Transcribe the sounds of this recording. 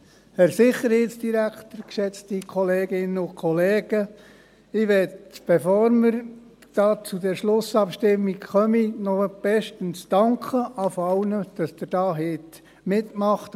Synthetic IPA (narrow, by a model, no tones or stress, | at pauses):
hɛɾsɪχːəɾheːtsd̥iɾæktərkʃɛt͡stikʰɔleːɡɪnəʊkʰɔleːɡ̥ə | ɪʋɛtb̥ɛfoːɾməɾ | d̥ɑːt͡sudɛɾʃlʊsɑpʃtɪmːikχœminɔb̥ɛʃtənsd̥ɑŋkʰχəʔɑfɑwnəd̥ɑsd̥ɪɾd̥ɑːɦɪt | mɪtmɑχt